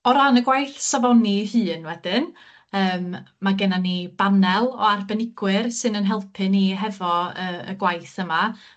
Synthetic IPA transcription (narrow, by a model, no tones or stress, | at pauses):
ɔɾanəɡwajθsavɔnihɨːnwɛd̥ɪn | əːmːaɡɛnanib̥anɛlˠɔ̰arbɛnɪɡ̥wɨrsɨnənɦɛlˠpʰɨniɦɛvɔəə̰ɡwajθəma